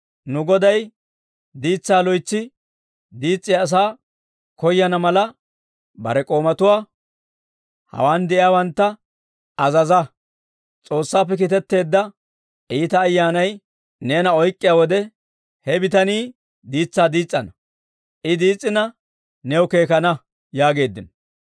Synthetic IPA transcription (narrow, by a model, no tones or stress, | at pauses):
nʊɡɔd̪ɐj | d̪iːt͡sːaːlɔjt͡sːɪ | d̪iːt͡sʼːɪjaːs̬aː | kɔjːɐnɐmɐlɐ | bɐ̰ɾɛkʼo̞ːmɐt̪ʊwaː | hɐ̰waːnd̪ɛʔɪjaːwɐnt̪ːɐ | ɐzɐzɐ | t͡sʼo̞ːsːaːpːɛk̬ɪt̪ɛt̪ːe̞ːd̪ːɐ | ʔiːt̪ɐːjːaːnɐj | neːnɐɔjkʼːɪjaːwɔd̪ɛ | hɛbɪt̪ɐniː | d̪iːt͡sːaːd̪iːt͡sʼːɐnɐ | ʔɪd̪iːt͡sʼːɪnɐ | nɛwke̞ːkɐnɐ | jaːɡe̞ːd̪ːɪnɔ